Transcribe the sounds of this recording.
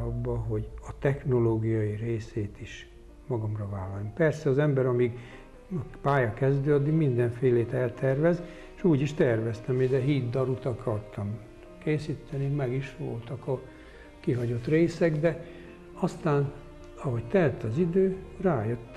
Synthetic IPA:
ɒbːɒɦo̞ɟɒt̪ɛxno̞loːɡijɒjireːseːt̪iʃ | mɒɡɒmrɒvaːlːɒlompɛrsɛɒzɛmbɛɾɒmiɡ | paːjɒkɛzd̪øːɒd̪ːiɡmind̪ɛɱfeːleːt̪ɛlt̪ɛrʋɛz | ʃuːɟiʃt̪ɛrvɛst̪ɛmid̪ɛɦiːd̪d̪ɒɾut̪ɒkʰɒrt̪ɒm | keːsit̪ʰːɛnikmɛɡiʃʋo̞̰lt̪ɒkɒ | kiɦɒɟo̞t̪reːsɛɡd̪ɛ | ɒst̪aːn | ɒɦo̞ct̪ɛɛlt̪ɒzid̪øːraːjøt̪ː

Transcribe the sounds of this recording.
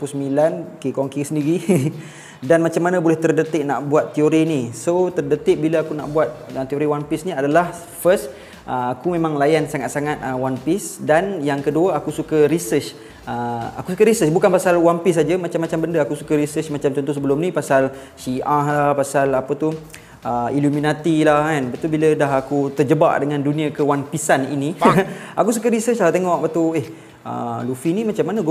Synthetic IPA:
pusəmilankekoŋkisəndiɾi | danmat͡ʃamːanabolɛht̪ərdət̪ɪʔ̚na̰ʔbuat̪ːioɾinisot̪ərdət̪ɪʔ̚biləakuna̰ʔbuat̪̚at̪ioɾiwampisniadalah | fəst̪ | ʔəakumemãŋlajansaŋat̪̚saŋat̪̚əwanpɪsdanjaŋkəduəakusukəɾisət͡ʃ | əakusukəɾisət͡ʃbukanpasalwanpis̬ad͡ʒəmat͡ʃamːat͡ʃambəndəakusukəɾisət͡ʃmat͡ʃamt͡ʃɔnt̪ɔs̬əbəlʊmnĩpasal | siʔahlahpasalapət̪u | ʔəiluminat̪ilahkanbat̪ubilədaɦakut̪ərd͡ʒəba̰ʔdəŋãndunĩəkəwanpisanḭniakusukəɾisət͡ʃlaht̪eŋɔʔ̚bat̪ueh | ə̰lufinĩmat͡ʃamːanaɡ

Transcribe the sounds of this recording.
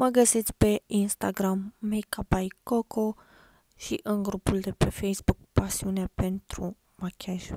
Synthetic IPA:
məɡəsit̪sʲpeinst̪aɡɾamːekabajkoko | ʃiʔɨnɡɾupuld̪epefejsbuk̚pasiuneapent̪ɾu | makʲʰaʒ

